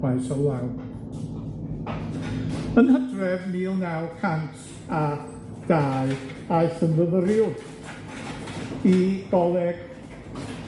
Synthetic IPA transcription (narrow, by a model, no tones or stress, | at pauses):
aɨsɔwlˠaw | ənhədrɛvmiːnawkʰantʰ | a | d̥aːɨ | aɨθənðəðəɾɪw | iɡ̥ɔlˠɛɡ̥